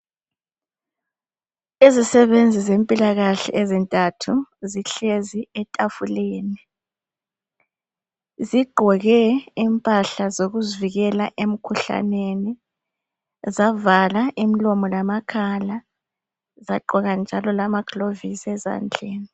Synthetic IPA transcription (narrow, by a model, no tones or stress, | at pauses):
izisɛβend͡zʱizempʼilaɣaɬɛ̰ʔezintʼatʰuziɬeziɛtʼafuleːni | ziɡ͡ǃʱɔɣɛimpʼaɬazoɣuziviɣɛlaʔem̩kʰuɬa̰neni | zavalaʔimilɔmɔlamakʰala | zaǃʱɔɣand͡ʒʱalɔlamaɡ̥ʱlovisɛza̰nd͡ɮʱɛːni